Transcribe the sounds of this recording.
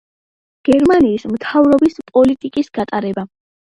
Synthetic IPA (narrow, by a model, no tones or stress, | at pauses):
ɡ̥ɛɾmaniːsmt̪ʰavɾɔbispʼɔlit̪ʼikʼisɡ̥at̪ʼaɾɛba